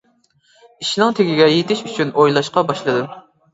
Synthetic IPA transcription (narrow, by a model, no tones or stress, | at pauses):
iʃnɨŋt̪ʰeɡʲiɡʲɛjet̪ʰɪʃyt͡ʃʰynojlˠɑʃqɑbɑʃlˠɨd̪ɨ